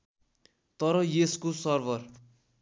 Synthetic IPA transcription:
t̪ʌɾʌjeskosʌrbʱʌr

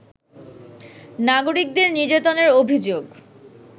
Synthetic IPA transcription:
naɡoɾik̚d̪eɾnid͡ʑat̪oneɾobʱid͡ʑoɡ

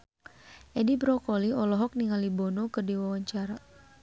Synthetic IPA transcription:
ʔɛdibɾɔkɔliɔlɔɦɔk̚niŋalibɔnokərdiwawaɲt͡ʃaɾa

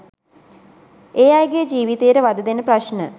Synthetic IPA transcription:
eːajɡejəd͡ʒiːʋit̪eːəɾəʋad̪əd̪enəpraʃnə

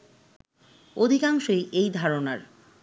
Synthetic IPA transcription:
od̪ʱikaŋʃojʔejd̪ʱaɾonaɾ

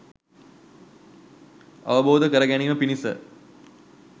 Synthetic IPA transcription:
ɐ̰ʋəboːd̪əkəɾəɡæniʋəpinisə̰

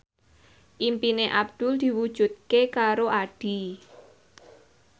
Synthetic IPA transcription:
ʔimpineʔabd̪̥ʊld̪̥i̤wud̥ʒ̥ṳt̪̚kekaɾoʔaɖ̥i

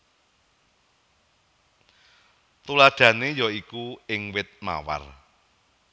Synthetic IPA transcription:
t̪ulaɖ̥ä̤nejɔikuɪŋwɪt̪̚ma̰wa̰r

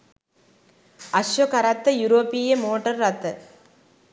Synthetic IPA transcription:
ɐʂʋɐkɐɾɐt̪ːɐjuɾoːpɪjɐmoːʈːɐɾːɐt̪ːɐ

